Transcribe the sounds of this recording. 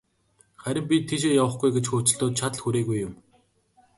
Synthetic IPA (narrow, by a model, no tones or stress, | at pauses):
χæɾʲɪ̆mpʲit̪ʰːeʃ̬eːjawə̆χɡujɡet͡ɕxoːt͡ɕɪ̆ɮt̪oːt̪̚t͡ɕʰat̪ɮxuɾeːɣujʊm